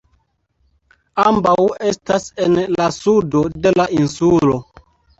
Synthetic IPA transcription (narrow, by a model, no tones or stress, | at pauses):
ambawe̞stasenlasudode̞lainsulo